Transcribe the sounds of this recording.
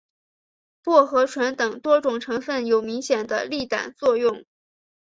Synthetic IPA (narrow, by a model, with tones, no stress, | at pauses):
pwɔ˥˩xɤ˧˥ʈ͡ʂʰwa˧˥nt̪ɤ˨˩ŋt̪wɔ˥ʈ͡ʂʊ˨˩ŋʈ͡ʂʰɤ˧˥ŋfə˥˩njo˨˩ʊmi˧˥ŋɕjɛ˨˩nd̪ə̰˦li˥˩t̪a̰˨˩nt͡swɔ˥˧jʊ˥˩ŋ